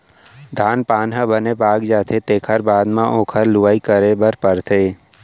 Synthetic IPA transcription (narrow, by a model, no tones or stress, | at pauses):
d̪ʱaːnpaːnɦə̃bənebaːɡd͡ʒaːt̪ʰet̪eːkʰəɾbaːd̪mãʔõːkʰəɾlʊʋaːikəɾebəɾpəɾt̪ʰeː